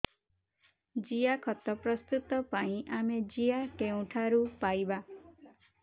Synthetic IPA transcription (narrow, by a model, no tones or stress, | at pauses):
d͡ʒijakʰɔt̪ɔpɾɔst̪ut̪ɔpaĩʔamed͡ʒijakeũʈʰaɾupajba